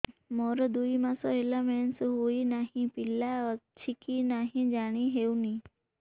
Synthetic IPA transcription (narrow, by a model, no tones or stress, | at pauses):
moːɾəd̪uimãsoɦelameːnsɦuinaːɦĩpɪlat͡ʃʰɪkinaːɦĩd͡ʒaːɽ̃iɦeːũnĩː